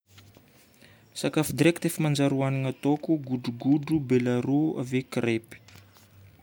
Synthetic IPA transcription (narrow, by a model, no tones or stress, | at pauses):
sakafud̪iɾekt̪efimand͡ʒaɾuaniŋat̪okuɡuɖ͡ʐuɡuɖ͡ʐubelaɾua̰vekrepi̥